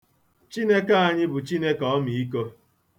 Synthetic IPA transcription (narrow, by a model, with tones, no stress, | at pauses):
t͡ʃi˦ne˦ka˦a˨ɲɪ˦bʊ˨t͡ʃi˦ne˦kɔ˦mi˨i˦ko˦